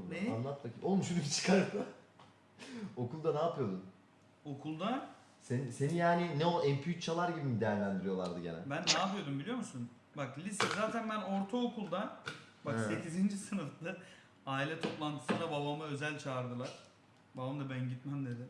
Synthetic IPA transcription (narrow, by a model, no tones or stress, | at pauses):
nɛanlˠat̪̚t̪acʰiʔomuʃunibʲit͡ʃʰɯ̥kʰaɾɯ | o̞kʰulˠd̪anaːpʰɯjo̞d̪um | o̞kʰulˠd̪a | senise̞nijaːninɛolˠɛmpʰut̪t͡ʃʰalˠaɾɟibimd̪ejæɾlʲænd̪iɾijo̞lˠaɾd̪ɯɟenɛ̰bænːaːpɯjo̞d̪umbilʲijo̞musun | baklʲisɛzaːt̪ʰænbæno̞ɾt̪ʰaokʰulˠd̪a | basse̞cizind͡ʒisɯnɯflˠɯ | aːilʲɛt̪ʰo̞plˠant̪ʰɯ̥sɯnd̪ababamaø̞zælʲt͡ʃʰaːɾd̪ɯlˠaɾ̥ | band̪abænɟit̪mænd̪e̞d̪ɪ